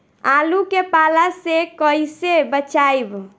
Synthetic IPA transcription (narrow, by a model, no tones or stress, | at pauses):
alukepalasekəɪsebət͡ʃajb